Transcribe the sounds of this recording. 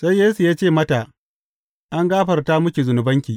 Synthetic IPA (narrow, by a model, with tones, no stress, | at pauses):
sa˦jːeː˦su˨jaː˦t͡ʃeː˦˨mɐ˦ta˨ʔ | ʔa˦ŋɡaː˦ɸɐ˨rta˦mʊ˦kʲi˨zʊ˨nʊ˨bɐ˦ŋkʲiː˨